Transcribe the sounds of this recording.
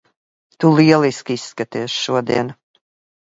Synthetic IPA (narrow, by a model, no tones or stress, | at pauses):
t̪uliɛlˠiskisːkat̪iːʃʃuɔd̪ḭɛn